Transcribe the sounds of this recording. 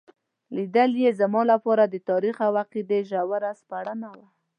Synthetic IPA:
lid̪əljezamɑlapɑɾad̪ət̪ɑɾixawaqid̪eʒawaɾaspaɽənawa

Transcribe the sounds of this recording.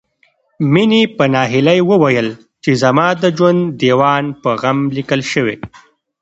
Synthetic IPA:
minepənɑɦɪlajwəwajəl | t͡ʃezamɑd̪əd͡ʒwand̪ːewɑnpəɣamlikəlʃəwḛ

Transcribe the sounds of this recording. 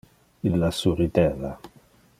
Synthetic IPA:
ilːasuɾit̪ɛla

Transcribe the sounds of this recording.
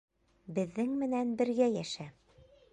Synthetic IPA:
bɘ̆ðːɘŋmɘ̆nænbɘ̆ɾɡæjæʃæ

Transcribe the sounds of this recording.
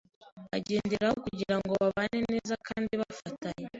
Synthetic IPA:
a̰ɟe̞ːndeɾahokuɟiɾaŋɡo̞βaβaːne̞ne̞ːzakʰaːndiβafataɲe

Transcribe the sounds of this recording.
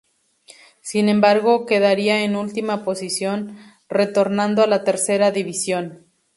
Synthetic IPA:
sinẽ̞mbaɾɣo̞ke̞ðaɾiaenult̪imapo̞sisjo̞n | re̞t̪o̞ɾnãnd̪oalat̪e̞ɾse̞ɾaðiβisjo̞n

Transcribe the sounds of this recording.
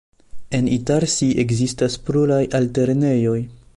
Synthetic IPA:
e̞nitaɾsiʔeɡzistaspɾulajalte̞ɾne̞jo̞j

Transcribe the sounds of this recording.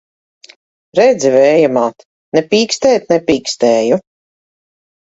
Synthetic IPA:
ɾɛd̪zivɛːjamaːt̪ | nɛpʲiːkst̪ɛːt̪̚nɛpʲiːkst̪ɛːju

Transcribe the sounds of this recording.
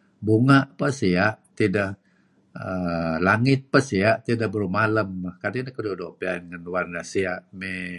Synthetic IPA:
buŋaʔpəsiaʔt̪idaʔ | əlaŋɪt̪̚pəsiaʔt̪idaʔbərmaləmːakadinakədodoʔpianŋənwarnasiaʔme

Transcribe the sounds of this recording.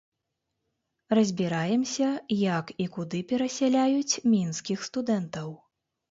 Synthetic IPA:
rɐzʲbʲiɾajɛmsʲɐjɐkikud̪ɨpʲɛɾɐsʲɛlʲajut͡sʲmʲinskʲixst̪ud̪ɛnt̪ɐw

